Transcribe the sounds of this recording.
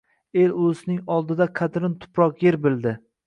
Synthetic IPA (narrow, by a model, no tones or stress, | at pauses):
e̞lɵznɪŋɒlˠd̪ɪd̪aqʰɑt̪ɾɪnt̪ʰʊ̥pɾɒqjeɾbɪld̪ɪ